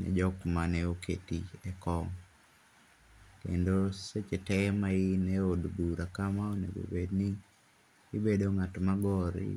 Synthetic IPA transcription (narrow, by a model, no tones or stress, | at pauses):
nɛ̰d͡ʒɔkmanɛokḛtḭɛkɔŋ | kḛndoset͡ʃɛtɛmaɪnɛodɡuɾakamaonḛɡo̰bedniː | bedoŋatmaɡɔɾɪ̰